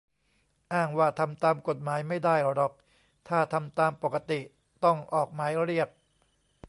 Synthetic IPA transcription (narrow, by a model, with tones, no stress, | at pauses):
ʔaː˥˩ŋwaː˥˩t̪ʰa˧mt̪aː˧mko˨˩t̪̚maː˩˦jma˥˩jda˥˩jɾɔ˨˦˩k̚ | t̪ʰaː˥˩t̪ʰa˧mt̪aː˧mpo˨˩kːa˧t̪i˨˩ | t̪ɔ˥˩ŋʔɔː˨˩k̚maː˩˦jɾi˥˩ək̚